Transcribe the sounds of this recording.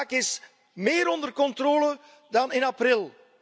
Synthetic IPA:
kɪs | meːɾɔndərkɔntroːlə | dɑnɪnaprɪlˠ

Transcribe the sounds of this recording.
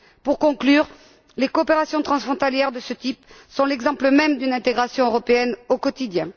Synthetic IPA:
puʁkɔ̃klyʁ | lekoːpeʁasjɔ̃t̪χɑ̃sfχɔ̃t̪aljɛʁd̪əsət̪ip | sɔ̃lɛɡzɑ̃pləmɛmd̪ynɛ̃t̪eɡʁasjɔ̃øʁɔpeɛnokɔt̪id̪jɛ̃

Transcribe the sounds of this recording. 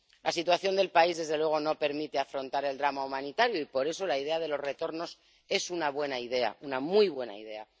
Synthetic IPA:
lʔasit̪waθjo̞nd̪e̞lpaizðe̞zðe̞lwe̞ɣ̞o̞no̞pe̞ɾmit̪e̞afɾo̞nt̪aɾe̞ld̪ɾamaumãnit̪aɾjoipo̞ɾe̞so̞laiðe̞að̞e̞lo̞zre̞t̪o̞ɾno̞s | e̞sunaβ̞we̞naið̞e̞a̰unamujβ̞we̞na̰ḭð̞e̞a̰

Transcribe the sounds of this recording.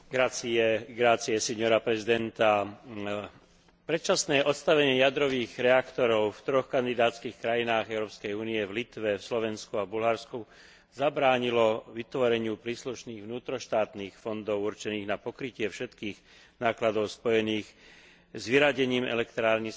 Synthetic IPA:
ɡɾat͡siɛɡɾaːt͡siɛsɛɲɔɾapɾɛzid̪ɛnt̪a | pɾɛt̪t͡ʃasnɛːʔɔt̪st̪aʋɛɲɪɛjad̪ɾɔʋiːɣɾɛakt̪ɔɾɔʊft̪ɾɔxkand̪id̪aːt̪t͡skiːxkɾajinaːɣɛʊɾɔːpskɛjuːniɛvlit̪ʋɛfslɔʋɛnskuabulɦaɾsku | zabɾaːɲilɔʋit̪ʋɔɾɛɲɪupɾiːsluʃniːɣʋnuːt̪ɾɔʃt̪aːt̪niːxfɔnd̪ɔʊuɾt͡ʃɛniːɣnapɔkɾicɪɛfʃɛt̪kiːɣ | naːklad̪ɔʊspɔjɛniːx | zʋiɾaɟɛɲiːmɛ̰lɛkt̪ɾaːlɲi

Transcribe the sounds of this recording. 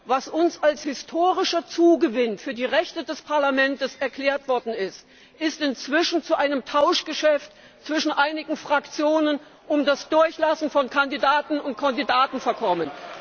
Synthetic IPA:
vasʔʊnsalshɪstʰoːʁɪʃɐt͡suːɡəvɪnfyːɐdiːʁɛçtədɛspʰaɐlamɛntəsɛɐkl̥ɛːɐtv̥ɔɐdn̩ɪst | ʔɪstɪnt͡sv̥ɪʃn̩t͡suʔaɪnəmtʰaʊʃɡ̥əʃɛft | t͡sv̥ɪʃn̩ʔaɪnɪɡŋ̩fʁ̥akt͡sjoːnən | ʔʊmdasd̥ʊɐçlasn̩fɔnkʰandidaːtn̩ʊntkʰandidaːtn̩fɛɐkʰɔmən

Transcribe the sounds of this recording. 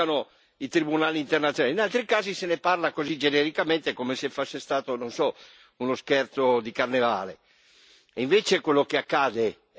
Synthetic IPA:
ano | it̪ɾibunaːliːnt̪ernat̪sjonalinalt̪ɾikaːziseneparlakozid͡ʒenɛɾikament̪ekomesefosːest̪aːt̪ononsɔ | unoskɛrt̪sod̪ikarneva̰ːle | iɱveːt͡ʃekwelːokeakːaːd̪e

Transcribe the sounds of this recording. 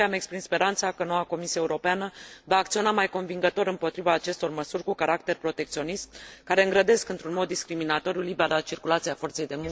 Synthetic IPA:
eame̞kspɾinspe̞ɾant̪sakəno̞wako̞misiae̞uɾo̞peanəvaːk̚t̪sio̞namajko̞nviŋɡət̪o̞ɾɨmpo̞t̪ɾivaːt͡ʃe̞st̪o̞rməsurʲkukaɾak̚t̪e̞rpɾo̞t̪e̞k̚t̪sio̞nist̪kaɾe̞ɨŋɡɾəd̪e̞skɨnt̪ɾunmo̞d̪ːiskɾiminat̪o̞ɾjulibeɾat͡ʃirkulat̪siafo̞rt̪se̞jd̪e̞muŋ

